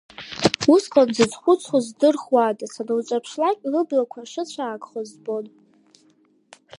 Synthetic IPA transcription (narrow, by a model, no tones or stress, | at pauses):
usqʼanzɨd͡zχʷʊt͡sʰχozdɨrχwaːtʼasanawt͡ʃʷʼapʰʂlakʲʼlɨblakʷʰaʂɨt͡ɕʷʰaːkʼχozbon